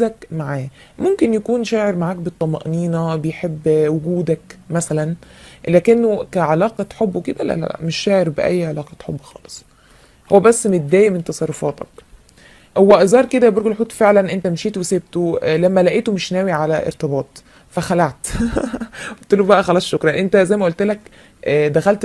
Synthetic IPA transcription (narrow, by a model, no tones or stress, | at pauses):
ækmaʕaː | momkenjækuːnʃæːʕeɾmaʕaːk̚bet̪ˤːɑmɑ̰ʔniːnɑbejħebːwoɡuːd̪ækmæsælænlæːkenːokæʕalæːqɑħobːowked̪æ̰læ̰ʔlæ̰meʃːæːʕeɾbeʔæ̰jːʕelɑːqɑt̪ħobːxɑ̰ːle̥sˤ | howːæbæsːmet̪̚d̪æːjment̪ɑsˤɑrˤːofɑːt̪ɑ̰k | howːæʔezɑːɾˤked̪æbeɾˤɡelħuːt̪feʕlænʔent̪æmeʃiːt̪weseb̚t̪olæmːælæʔiːt̪omeʃnæːwiʕalæʔḛɾt̪ɑbɑːt̪ˤ | fæxælaʕt̪ | ot̪ːelobæʔæxælæʕʃokɾˤɑʔent̪æzæjmæʔolt̪lækː | d̪æxælt̪